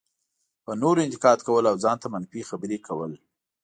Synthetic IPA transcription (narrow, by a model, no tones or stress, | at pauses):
pənoɾɪnt̪ɪkɑd̪kawəlawzɑnt̪amanfixabəɾekʰawəl